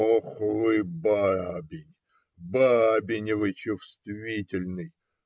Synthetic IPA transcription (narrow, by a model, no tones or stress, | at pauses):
oxvɨbabʲɪnʲ | babʲɪnʲvɨt͡ɕɪfst̪vʲitʲɪlʲnɨj